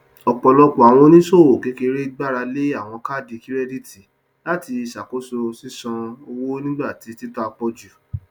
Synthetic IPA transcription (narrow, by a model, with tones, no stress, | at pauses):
ɔ˨k͡pɔ˨lɔ˧k͡pɔ˨a˨w̃ɔ̃˧˦nĩ˦so˦˨o˨ke˨˧˦ke˧ɾe˦ɡ͡ba˦ɾa˧le˦a˦˨w̃ɔ̃˧ka˦˨di˨˧ki˦ɾɛ˦di˦˨ti˨ | la˦ti˧i˧sa˨ko˨˦so˧si˦sɔ̃˧o˧wo˦nĩ˦ɡ͡ba˦˨ti˨˧˦ti˦ta˦a˧k͡pɔ˧d͡ʒu˨